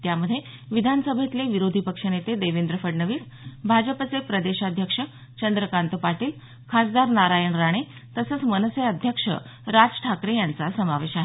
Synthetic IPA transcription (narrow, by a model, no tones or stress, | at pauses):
t̪jaməd̪ʱːjeʋid̪ʱanəsəbʱet̪leʋiɾod̪ʱipəkʂənet̪ed̪eʋend̪ɾəfəɽɳəʋiːs | bʱad͡ʑəpət͡sepɾəd̪eɕad̪ʱjəkʂə | t͡ɕənd̪ɾəkant̪upaʈiːl | kʰasd̪aɾnaɾajəɳɾaɽ̃e | t̪əsəːt͡smənəseəd̪ʱjəkʂə̰ | ɾad͡zʈʰakɾejant͡sasəmaʋeɕaɦe